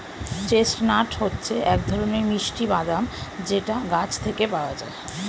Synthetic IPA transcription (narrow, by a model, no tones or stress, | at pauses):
t͡ɕesʈnaʈhotːɕʰeɛk̚d̪ʱɔɾoneɾmiʃʈibad̪amd͡ʑeʈaɡat͡ɕʰt̪ʰekepaoad͡ʑa̰e